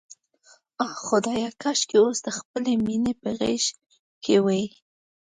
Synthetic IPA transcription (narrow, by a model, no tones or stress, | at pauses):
ɑxʊd̪ɑjakaʃkeosd̪əxpəleminepəɣeʃ | kʰewaji